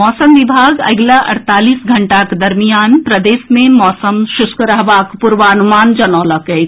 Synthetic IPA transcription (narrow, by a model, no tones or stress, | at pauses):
ɔːsəmʋibʱaːɡɐ̰ɡlaʔɐ̰ɽt̪aːliːsɡʱɐɳʈakd̪ɐɾmijaːnpɾəd̪eːsmẽmɔːsəmʃʊskɾəɦʋaːkpuɾʋəənumaːnd͡ʒɐnɔːləkɛ